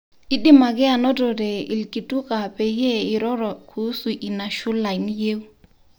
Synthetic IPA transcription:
ɪ˦ɗɪ˦ma˨kɛ˦a˨nɔ˦tɔ˨dɛ˨i˨lki˨tu˦ka˨pɛ˨jɛ˦ɪ˨ɾɔ˦ɾɔ˨kʰu˨˦su˨ʔɪ˨na˨ʃu˦la˨i˨n˦je˦wu˦

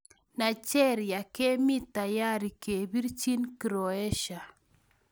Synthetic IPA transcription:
na˨t͡ʃɛ˦ɾja˨ke˦mi˦t̪a˨ja˦ɾi˨ke˨bi˦ɾt͡ʃi˦nkɾo˨ɛ˦ʃa˨

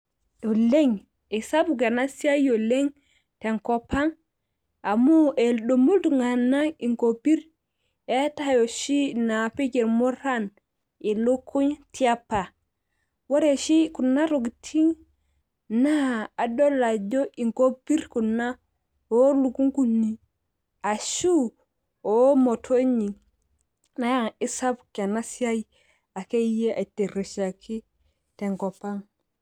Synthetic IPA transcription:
ɗɔ˨le˦ŋ | ɛ˨sa˦buɡa˨nasi˦a˦jɔ˨leŋ | tɛ˨ŋkɔpa˦n | ʔa˨mu˦ʔɛlɗo˨mu˦ltu˨ŋɡa˨nːa˦i˨ŋkopi˦ɾ | ɛtajo˨ʃi˦napɛ˦kɛ˨ɾmɔ˦ɾan | ɛ˨lo˦kʰːo˦ɲti˦apːa˨ | wa˦ɾeʃi˦ku˨nːa˦ɾo˨ɡtʰi˦ŋ | na˦a˨do˦la˨ɟo˦ʔi˨ŋko˦pi˦ɾku˨nːa˦ | o˦lu˨ku˦ŋku˦nːi˨ | a˨ʃu˦ | o˦mo˨tʰo˦ɲi˨ | na˦˨i˦sa˦bke˨na˦si˦a˦j | a˨ke˦je˦ʔa˨te˨ɾe˨ʃa˨kʰi˦ | te˨ŋko˨pa˦ŋ

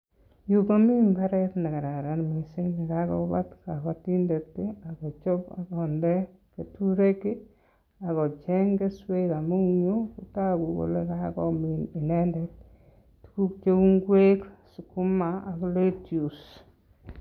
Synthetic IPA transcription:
juko˦mi˦mba˦ɾɛtni˨ka˨ɾa˨ɾa˨nmi˨sɪ˦knɪ˨ka˦kɔ̰˦ba˦tka˨kɔ˧ti˦nde˨tːe˦a˨kɔ˨t͡ʃo˦pa̰˨kɔ˨ndɛ˦ | ke˨tu˦ɾe˦ke˦ | a˨kɔ˨t͡ʃɛ˦ŋɡe˦swe˦ka˨mu˦ɲo˦kuta˦ku˨ko̰˨le˦kakɔ˨mini˨nɛ˦ndɛ˦t̚ | tu̥ku˦k̚t͡ʃe˦u˦ŋɡwe˦ksu˨ku˦ma˦a˨kɔ˦letju˨s

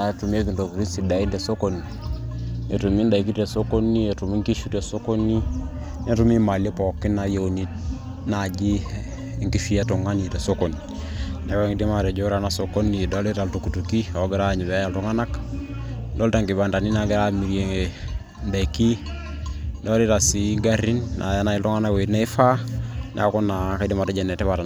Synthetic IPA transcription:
a˨tu˨m˦e˦ki˨ndo˨pu˨ɾi˦nsi˨da˨i˦nde˨so˦ko˨ni˨ | e˨tu˨mi˦nda˨i˨ki˦te˨so˦ko˦nːi˦e˨tu˨mi˦ŋki˦ʃu˦te˨so˦ko˦ni˦ | ne˦tu˦mi˦ma˨le˦pɔ˨kːi˦na˨je˦o˨ni˦t | na˨d͡ʒi˦ | ŋki˦fi˦a˦tu˨ŋa˦ni˨te˨so˦ko˨ni˨ | ne˨˦we˦ŋdi˦ma˨ɾe˨d͡ʒo˦ɾa˨na˦so˨ko˦ni˨do˦li˦ta˨ltu˨ku˨tu˨ki˦o˨ɡɪ˦ɾa˦˨ɲi˨bɛ˨a˦ja˨ltu˦ŋa˦na˦k | do˦lta˨ŋɡi˨ba˨nda˨ni˦na˦ɡɪ˦ɾa˦mi˨ɾje˨ŋe˨ | nda˨ki˦ | do˦li˦ta˨si˦ɡa˦ɾi˦nːʔa̰˨ja˦na˨i˨ltu˦ŋa˦na˦kwe˨tne˦fa˦nʔḛ˨a˦ko˦na˨ka˦di˦ma˨ta˦d͡ʒe˨ne˨tɛ˦βa˨ta˨

